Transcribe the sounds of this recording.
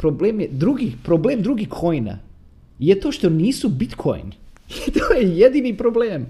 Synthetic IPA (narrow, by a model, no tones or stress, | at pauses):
pɾobleːmjed̪ɾuɡipɾobleːmd̪ɾuɡikʰojna̰ | jet̪o̞ːʃt̪o̞niːsubit̪kʰo̰jnt̪oːjejed̪iːnipɾobleːm